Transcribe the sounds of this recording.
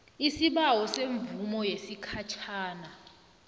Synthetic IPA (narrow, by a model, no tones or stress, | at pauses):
isiɓawɔseɱbvumɔjesikʰat͡ʃʰaːna